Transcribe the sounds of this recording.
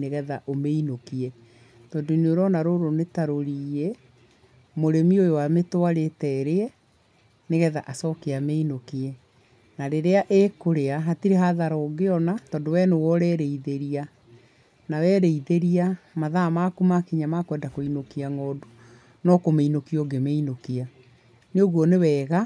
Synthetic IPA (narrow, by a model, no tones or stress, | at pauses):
neɣɛðaʔomeinokiɛ | tɔːndoineoɾɔnaɾoɾonetaɾoɾie | moɾemiojowametwaɾetɛɾeɛ | neɣɛða̰ʔasɔkeameinokiɛ | naɾeɾeaʔekoɾeaɦatiɾeɦaðaɾɔːɡeɔnatɔːndowɛnowɔɾɛɾeiðeɾia | nawɛɾeiðeɾiamaðamakumakiɲamakwɛːndakoinokiaŋɔːdo | nɔkomeinokiɔɡemeinokia | neoɣwɔnewɛːɣa